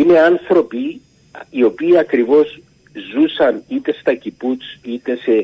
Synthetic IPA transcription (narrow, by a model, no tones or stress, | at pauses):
ine̞ɐnθɾo̞piː | o̞piːɐkɾivo̞s | zusɐnit̪e̞st̪ɐciput͡sit̪e̞se